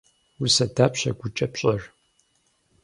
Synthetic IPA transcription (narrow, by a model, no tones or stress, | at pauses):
usɐdaːpɕɐɡʷʊt͡ʃʼɐpɕʼɐr